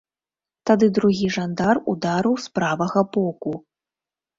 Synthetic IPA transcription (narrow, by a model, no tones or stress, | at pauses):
t̪ad̪ɨd̪ɾuɣʲiʐand̪arud̪aɾuspɾavɐɣɐbɔku